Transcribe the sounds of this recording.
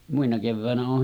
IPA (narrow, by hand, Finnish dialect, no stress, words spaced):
muinɑ keʋːæˑenæ oːh